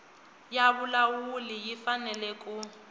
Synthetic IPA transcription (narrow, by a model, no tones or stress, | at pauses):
jabʊlawulijifanɛlɛkʼu